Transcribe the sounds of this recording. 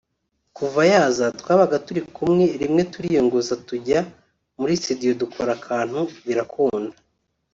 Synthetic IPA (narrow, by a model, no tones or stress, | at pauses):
kuvajaːzatwaːβaɡatuɾikumŋe̞ɾimŋe̞tuɾijoŋɡozatuɟa | muɾistidijo̞dukʰo̞ɾakʰaːn̥huβiɾakʰoːnda